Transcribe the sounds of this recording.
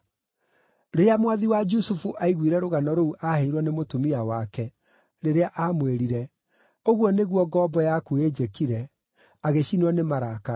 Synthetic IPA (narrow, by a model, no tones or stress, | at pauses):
ɾeamwaðiwad͡ʒusufuʔaiɣwiɾɛɾoɣanɔɾouʔaheiɾwɔnemotomiawakɛ | ɾeɾeaʔamweɾiɾɛ | oɣwɔneɣwɔɡɔːbɔjakued͡ʒekiɾɛ | aɣeɕinwɔnemaɾaka